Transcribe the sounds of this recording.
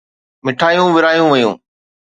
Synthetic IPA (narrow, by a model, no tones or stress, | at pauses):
mɪʈʰaːjũʋɪɾaːjũʋɐjṵ̃ː